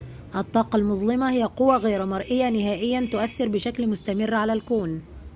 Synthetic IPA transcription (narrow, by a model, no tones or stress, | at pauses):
ʔɑt̪ˤːɑːqɑlmʊzˤlɪmahɪjaqʊwːaɣajɾmɑɾˤʔɪjːanɪɦaːʔɪjːant̪ʊʔaθːɪɾbɪʃaklmʊst̪amɪrːʕalalkuːn